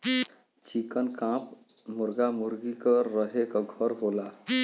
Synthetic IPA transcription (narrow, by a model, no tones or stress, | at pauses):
t͡ʃikənkãp | muɾɡamuɾɡikɔɾəɦekɔɡʱʌɾɦola